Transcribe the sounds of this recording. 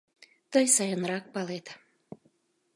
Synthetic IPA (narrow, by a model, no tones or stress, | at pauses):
t̪əjsɑjənɾɑk̚pɑlet̪a